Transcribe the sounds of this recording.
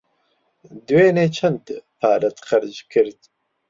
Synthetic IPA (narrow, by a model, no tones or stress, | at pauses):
d̪weːneːt͡ʃʰɐnd̪pʰaːɾɐt̪qɐɾd͡ʒkʰɨɾd̪